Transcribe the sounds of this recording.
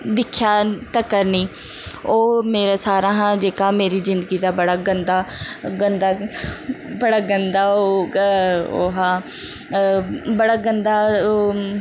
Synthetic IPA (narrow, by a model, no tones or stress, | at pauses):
d̪ɪkʰjaːt̪əkəɾnĩː | oːmeːɾaːsaːɾãːɦãːd͡ʒeːkaːmeːɾiːzɪnd̪əɡiːd̪aːbəɽaːɡənd̪aːɡənd̪aː | bəɽaːɡənd̪aːoː | oːɦãː | bəɽaːɡənd̪aːoː